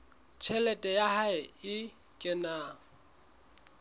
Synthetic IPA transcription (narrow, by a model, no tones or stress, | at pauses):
t͡ʃʰɛlɛtʼɛjahaɪɪ | kʼɪnaːŋ̩